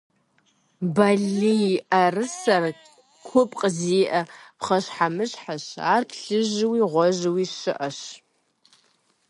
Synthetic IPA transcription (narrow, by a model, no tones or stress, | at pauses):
baɮiʔarɨsɐr | kʷʰʊpʼqʼziʔɐpχɐʃħamɨɕħaʃa̰rpʰɬɨʒwiʁʷɔʒwiʃɨʔɐʃ